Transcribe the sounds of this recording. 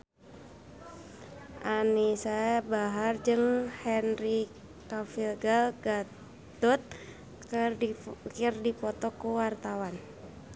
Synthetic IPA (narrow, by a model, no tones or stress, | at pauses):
ʔanisabaɦard͡ʒɨŋhɛnri | kafilɡalɡa | d̪ɔt̪̚ | kərkirdipɔt̪ɔkuwart̪awan